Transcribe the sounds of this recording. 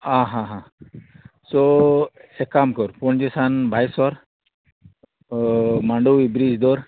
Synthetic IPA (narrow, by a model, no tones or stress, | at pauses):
ãɦãɦã | sɔ | ɛkamkɔɾpɔɳd͡ʒisanbʱajsɔɾ | maɳɖuibɾid͡ʒd̪ɔɾ